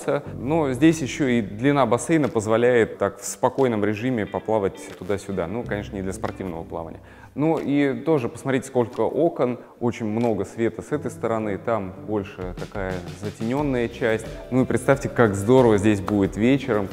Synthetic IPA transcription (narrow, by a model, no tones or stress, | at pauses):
sʲənozʲdʲesʲjɪɕːoid̪lʲɪnabɐsejnəpəzvɐlʲæjɪt̪ːakfspɐko̞jnəmɾʲɪʐɨmʲɪpɐplˠavətʲt̪ʊd̪asʲʊd̪a̰nukɐnʲe̞ʂnənʲɪd̪lʲəspɐrtʲivnəvəplˠa̰və̰nʲɪjə | nuʔit̪o̞ʐɨpə̥smɐt̪ɾʲetʲɪsko̞lʲkəʔo̞kən | o̞t͡ɕɪnʲmno̞ɡəsvʲe̞t̪əsɛt̪əjst̪əɾɐnɨt̪ambo̞lʲʂɨt̪ɐkajəzətʲɪnʲo̞nːəjət͡ɕæsʲtʲnuipɾʲɪt̪st̪afʲtʲɪkakzd̪o̞ɾəvəzʲdʲesʲbudʲɪt̪vʲet͡ɕɪɾəm